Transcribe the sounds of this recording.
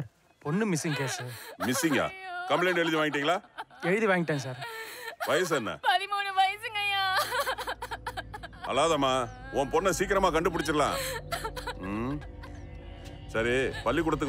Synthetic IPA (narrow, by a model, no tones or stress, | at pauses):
ɾ | pɔnːɯmɪsːɪŋɡkeːsɯmɪsɪŋɡa̰ːkɐmpleːɳɖɛɻɯðiʋaːŋɡɪʈːiːŋɡɐɭlaːɛɻɯðiʋaːŋɡɪʈːẽːs̬aːɾʋɐjɐs̬ɐnːɐ̰pɐɾimoːnɯʋɐjɐsɯŋɡɐjaː | ɐ̰laːðɐmaː | oːnpɔnːɐsiːk̬ɪɾɐmaːkɐɳɖɯp̬ʊɽɪt͡ʃːɯɾɐlã̰ː | sɐɾipɐlːik̬ʊɽɐt̪ːɯkː